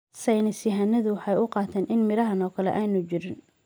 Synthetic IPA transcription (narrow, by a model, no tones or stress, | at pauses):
sɐjnɪsɪɦanːɐðʊwɑħɑjʊqɑːt̪ʰɛːnɪnmɪɾɐɦɐnɔːkʰɐlɛ̰ʔaːnʊt͡ʃɪɾɪn